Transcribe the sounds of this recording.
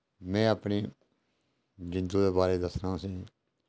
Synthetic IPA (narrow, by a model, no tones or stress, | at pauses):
mɛ̃ːəpniː | d͡ʒɪ̃nd̪ũːd̪eːbaːɾeːd̪əsnaːũsĩː